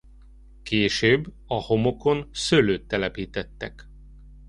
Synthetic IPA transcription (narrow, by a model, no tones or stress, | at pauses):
keːʃøːbː | ɒho̞mo̞ko̞nsøløːt̪ːɛlɛpiːt̪ɛt̪ːɛk